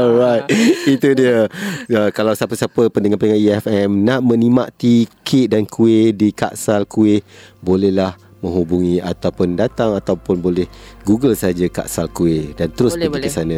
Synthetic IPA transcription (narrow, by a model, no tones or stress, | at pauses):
ɔlɾajt̪it̪udiəəkalawsapəsapəpəndəŋanpəŋãʔiɛfɛmnaʔmə̃nimaʔt̪ikʰɪʔdankʰuedika̰ʔsalkuɪbolɛhlah | mə̃ŋɦubuŋĩat̪awpʊndat̪aŋat̪awpʊnbolɛhɡuɡəlsaɦad͡ʒaka̰ʔsalkuɪdant̪əɾʊsbəkikisanə̃